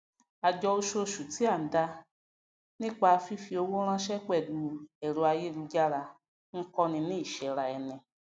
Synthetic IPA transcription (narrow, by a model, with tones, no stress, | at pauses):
a˨d͡ʒɔ˧o˦˧ʃo˧ʃu˨ti˦a˦˨n̩˨da˧ | nĩ˦k͡pa˧fi˦fi˧˦o˧wo˦ɾ̃ã˦ʃɛ˦k͡pɛ˨du˧ɛ˨ɾo˧a˧je˦nũ˧d͡ʒa˦ɾa˧ | ŋ̩˦kɔ˦nĩ˧nĩ˦˨ʃɛ˨ɾa˧ɛ˧nɛ̃˧